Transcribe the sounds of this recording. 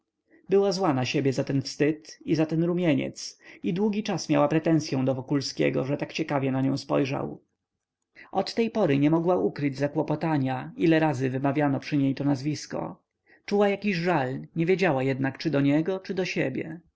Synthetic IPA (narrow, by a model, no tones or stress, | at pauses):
bɘwazwanaɕebʲjɛzat̪ɛnfst̪ɘt̪izat̪ɛnɾumʲjɛɲɛ̰t̪sid̪wuɡʲit͡ʂasmʲjawapɾɛt̪ɛ̃ñsjɔ̃w̃d̪ɔvɔkulskʲɛ̰ɡɔ̰ʐɛt̪akt͡ɕɛkavʲjɛnaɲɔ̰̃w̃spɔ̰jʐa̰w | ʔɔt̪ːɛjpɔɾɘɲɛmɔɡwaʔukɾɘd͡ʑzakwɔpɔt̪aɲailɛɾazɘvɘmavʲjanɔpʂɘɲejt̪ɔnazvʲiskɔ̰ | t͡ʂuwajakʲiʑʐalɲɛvʲjed͡ʑawajɛd̪nakt͡ʂɘd̪ɔɲɛɡɔt͡ʂɘd̪ɔɕɛbʲjɛ